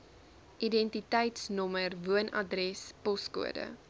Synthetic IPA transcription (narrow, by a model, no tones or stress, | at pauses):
ʔidɛntitɛjtsnɔmərvuənɐ̰drɛspɔskṵə̰də̰